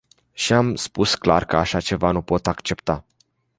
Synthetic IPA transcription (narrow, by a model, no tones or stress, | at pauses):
ʃiamspuskla̰rkəaʃat͡ʃe̞vanupo̞t̪akt͡ʃe̞pt̪a